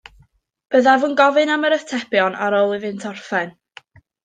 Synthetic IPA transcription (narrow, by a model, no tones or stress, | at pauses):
b̥əðavunɡɔvɨnaməɾəθtʰɛpjɔnʔa̰ɾoːlˠɨvɨntʰɔrfɛn